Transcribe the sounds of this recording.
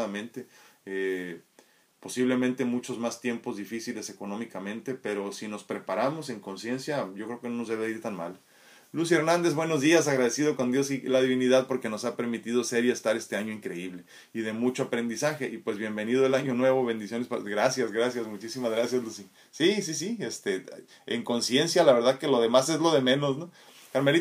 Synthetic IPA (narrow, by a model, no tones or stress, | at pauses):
amẽ̞nt̪e̞e | po̞siβle̞mẽnt̪e̞mut͡ʃo̞zmast̪je̞mpo̞zðifisile̞se̞ko̞nõ̞mikamẽ̞nt̪e̞pe̞ɾo̞sino̞spɾe̞paɾamo̞se̞ŋko̞nsje̞nsjaɟ͡ʝo̞kɾeokeno̞no̞zðeβiɾt̪anma̰l | lusie̞ɾnãnd̪ezβwe̞no̞zðias̬aɣɾað̞e̞sið̞o̞ko̞nd̪josilaðiβiniðaðpo̞ɾke̞no̞sape̞ɾmit̪ið̞ose̞ɾie̞st̪aɾe̞st̪e̞aɲo̞iŋkɾe̞iβle̞ | ið̞e̞mut͡ʃo̞apɾe̞nd̪isaxe̞ʔipwe̞zβje̞mbe̞niðoelaɲo̞nwe̞βo̞βe̞nd̪isjo̞nesaɡɾasjazɣɾasjazmut͡ʃisimazɣɾasjazlusi | sis̬is̬iest̪e | ḛŋko̞nsje̞nsjalaβe̞ɾðaðke̞lo̞ðe̞mase̞zlo̞ðe̞mẽ̞no̞sno | kaɾmeli